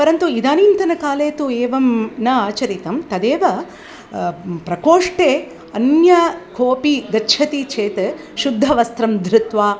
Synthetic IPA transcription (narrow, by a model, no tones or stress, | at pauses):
pɐɾɐnt̪uid̪aːniːnt̪ɐnɐkaːleːt̪ueːʋɐmnɐaːt͡ʃɐɾit̪ɐmt̪ɐd̪eːʋɐ | pɾɐkoːʂʈeː | ɐnjɐkʰoːpiɡ̪ɐʃʰɐt̪it͡ʃʰeːt̪ | ʃud̪ʱːɐʋɐst̪ɾɐmd̪ʱɾut̪ʋaː